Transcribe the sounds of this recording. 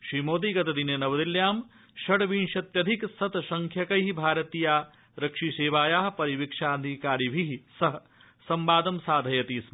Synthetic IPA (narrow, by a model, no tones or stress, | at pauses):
ʃɾiːmoːd̪iːɡɐt̪ɐd̪injenɐʋɐd̪iljaːm | ʃɐɽʋinʃɐt̪jɐd̪ʱiksɐt̪ʃɐŋkʰjɐkɐjɦibʱaːɾɐt̪iːjaː | ɾɐkʂiːseːʋaːjaːɦpɐɾiʋikʂaːɐd̪ʱikaːɾibʱiɦsɐɦɐ | sɐmbaːd̪ɐmsaːd̪ʱɐjɐt̪iːs